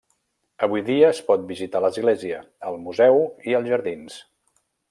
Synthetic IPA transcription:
əβujðiəːspɔt̪̚bizit̪aləzɣleziə | əlˠmuzɛwiəlˠzʒəɾðins

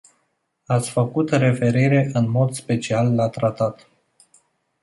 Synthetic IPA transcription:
at̪sʲfəkut̪re̞fe̞ɾiɾe̞ʔɨnmo̞d̪spe̞t͡ʃialːat̪ɾat̪at̪

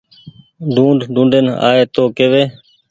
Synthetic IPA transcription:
ɖʱũːɳɖɖʱũːɳɖeːna̰ːeːt̪oːkeːʋeː

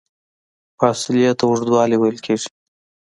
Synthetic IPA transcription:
fɑsɪlijat̪wʊʐd̪wɑliwejlkʰeʐi̥

